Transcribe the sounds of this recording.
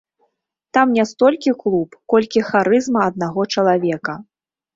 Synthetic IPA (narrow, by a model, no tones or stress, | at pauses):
t̪amnʲast̪ɔlʲkʲiklˠupkɔlʲkʲixaɾɨzmɐɐd̪̚naɣɔt͡ʂɐlˠavʲɛkɐ